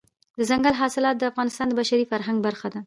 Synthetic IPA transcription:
d̪əzaŋɡalɦɑsɪlɑt̪̚d̪əafɣɑnɪst̪ɑnd̪əbaʃaɾifaɾɦaŋɡbaɾxad̪a

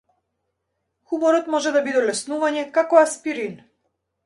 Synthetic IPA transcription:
xumɔɾɔt̪mɔʒɛd̪abid̪ɛlɛsnuvaɲɛkakɔaspiɾin

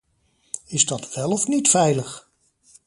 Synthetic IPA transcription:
ɪzdɑtʋɛlˠɔfnitfɛjləχ

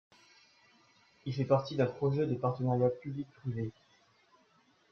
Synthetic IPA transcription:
ilfɛpaʁt̪id̪ɛ̃pχɔʒɛd̪epaʁt̪ənaʁjapyblik̚pχive

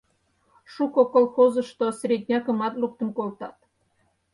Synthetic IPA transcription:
ʃukokolxozəʃt̪osʲrʲed̪ʲnʲɑkə̆mɑt̪luk̚t̪ənkolt̪ɑt̪

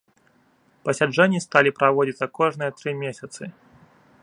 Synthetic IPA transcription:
pɐsʲad͡ʐɛnʲːist̪alʲipɾavɔd͡zʲit̪sɐkɔʐnɨjɐt̪ɾɨmʲesʲɐt̪sɨ

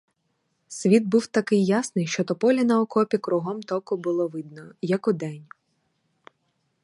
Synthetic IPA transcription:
sʲʋʲid̪̚buwt̪ɐkɪjːasnɪjʃt͡ʃɔt̪ɔpɔlʲɐnɐɔkɔpʲikɾʊɦɔmt̪ɔkʊbʊlˠɔʋɪd̪nɔjɐkɔd̪ɛnʲ

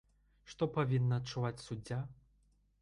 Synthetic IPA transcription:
ʂt̪ɔpavʲinːɐːtt͡ʂːuvat͡sʲsud͡zʲːa

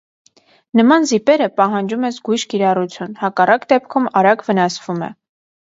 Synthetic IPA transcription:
nəmɑnzipɛɾəpɑɦɑnd͡ʒumɛzɡujʃkiɾɑrut͡sʰjunhɑkɑrɑkd̪ɛp̚kʰumɑɾɑɡvənɑsv̥umɛ̰

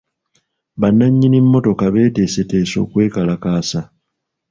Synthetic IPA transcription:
βanːaɲːinimːo̞to̞kaβe̞ːte̞ːse̞te̞ːso̞̰ːkwe̞ːkalakaːsa

